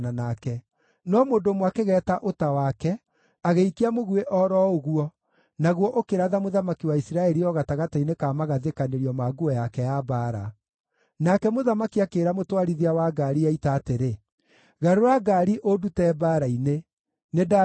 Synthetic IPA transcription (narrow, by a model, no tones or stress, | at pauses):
nanakɛ | nɔmoːndomwakeɣɛːtaʔotawakɛ | aɣeikiamoɣueʔɔɾɔoɣuɔ | naɣwɔʔokeɾaðamoðamakiwaisiɾaɛɾiɔɣataɣatainekaːmaɣaðekaneɾiɔmaɡuɔjakɛjabaːɾa̰ | nakɛmoðamakiakeːɾamotwaɾiðiawaɡaɾiaitaːteɾe | ɣaɾoɾaɡaɾiʔodutɛbaɾaine | neda